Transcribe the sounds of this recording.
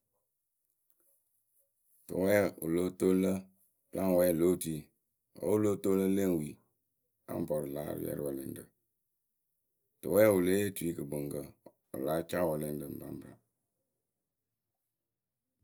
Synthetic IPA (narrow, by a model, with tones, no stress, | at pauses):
tɨ̰˨wɛ˦ṵ˨lo˦to˦lə˦ | bla˦ŋ˨wɛ˦˨lo˦ti˨˦˨ | wɔ̰˨˦u˦lo˦to˦lə˦le˦˨ŋ˨wi˨ | a̰˦m˨pɔ˨ɾə˨la˨˦ɾə̰˨˦jɛ̰˦ɾwɔ˨le˨n˦də˨ | tə˨wɛː˦u˨le˦e˦tu˨i˦kə˨bə˨ŋɡə˨ | o̰˨la˨˦t͡ʃa˦˨wɔ˨le˦n˦də˨m̩˨ba̰˨˦m˦bɾa̰˨